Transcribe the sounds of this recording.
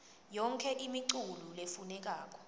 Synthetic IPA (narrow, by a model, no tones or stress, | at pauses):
jɔŋkʰɛʔimiǀululefunɛk̬aːk̬ʼɔ̥